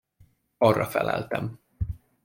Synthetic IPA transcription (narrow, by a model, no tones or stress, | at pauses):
ɒrːɒfɛlɛlt̪ɛm